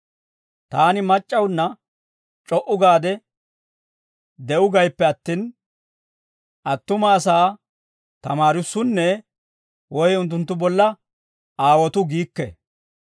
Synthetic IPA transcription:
t̪aːnɪmɐt͡ʃʼːɐwnːɐ | t͡ʃʼɔʔʊɡaːd̪ɛ | d̪ɛʔʊɡɐjpːɛɐt̪ːiːn | ʔɐt̪ːʊmɐːsaː | t̪ɐmaːɾɪsːʊnːɛ | wɔjɛʊnt̪ːʊnt̪ːʊbɔlːɐ | aːwɔt̪ʊɡiːkːɛ̰

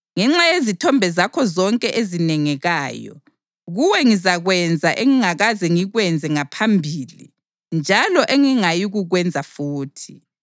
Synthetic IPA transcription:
ŋɛŋ͡ǁajezitʰɔmbʱɛzakʰɔzɔŋkʼɛʔezinɛŋɛɣaːjɔ̰ | ɣuwɛŋizaɣwɛnd͡zʱaʔeŋiŋaɣazɛŋiɣwɛnd͡zʱɛŋapʰambʱiːlḭ | nd͡ʒʱalɔʔeŋiŋajiɣuɣwɛnd͡zʱafuːtʰi̥

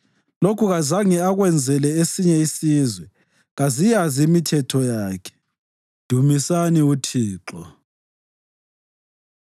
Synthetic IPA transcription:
lokʰuɣazaŋiaɣwɛnd͡zʱɛlɛesiɲɛisizwɛ | ɣazijaziːmitʰɛtʰɔjaːkʰɛ̥ | d̥ʱumisaniutʰiːǁɔ

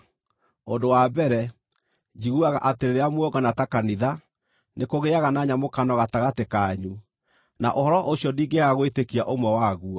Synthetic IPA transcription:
ondowabɛɾɛ | d͡ʒiɣuaɣa̰ʔateɾeɾeamwɔɡanatakaniða | nekoɣeaɣanaɲamokanɔɣataɣatekaɲu | naʔohɔɾɔʔosiɔdiːɡeɣaɣoetekiaʔomwɛwaɣua

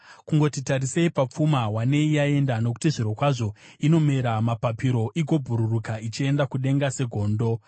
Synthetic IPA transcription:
kuŋɡo̞titaɾiseipap͡fumawane̞ijae̞ndano̞ku̥tiʐiɾo̞kwaʐo̞ino̞me̞ɾamapapiɾo̞ʔiɡʱo̞bʱuɾurukait͡ʃie̞ndakuɗe̞ŋɡase̞ɡʱo̞ːndo̞

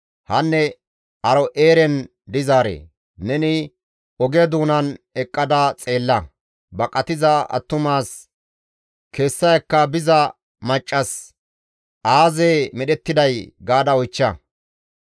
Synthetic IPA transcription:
hɐnːɛ | ɐɾɔʔe̞ːɾɛn | d̪ɪzaːɾḛː | nɛnɪ | ɔɡed̪uːnɐnɛkʼːɐd̪at͡sʼe̞ːlːɐ | bɐkʼɐt̪ɪzɐɐ̰t̪ːʊmaːs | ke̞ːsːɐjɐkːɐbɪzɐ | mɐt͡ʃʼːɐs | ʔaːzeːmɛɗɛt̪ːɪd̪ɐjɡaːd̪ɐɔjt͡ʃːɐ

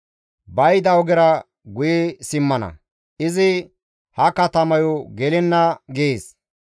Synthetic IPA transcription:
bɐjd̪ɐwɡɛɾɐ | ɡʊjɛsɪmːɐnɐ̰ | ɪzɪ | hɐkɐt̪ɐmɐjɔɡɛlɪnːɐɡeːs

